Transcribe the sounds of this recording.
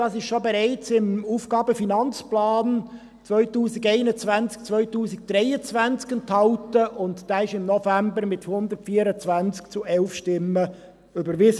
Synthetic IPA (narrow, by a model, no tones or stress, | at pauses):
d̥ɑːsɪʃʃobɛɾɛɪt͡sɪmuːfɡ̥ɑːbəfinɑnt͡splɑːn | t͡sʋœʏtuːsɪɡɛɪnət͡svænt͡sk̚t͡sʋœʏtuːsɪk̚d̥̪ɾɛjət͡sʋænt͡skənt̪hɑltəʔʊntd̥æɪʃɪmnɔfæmbəɾmɪthʊnd̪ərtfiːəɾət͡sʋænt͡skt͡suʔɛlfʃtɪmːə | ʏbəɾʋɪs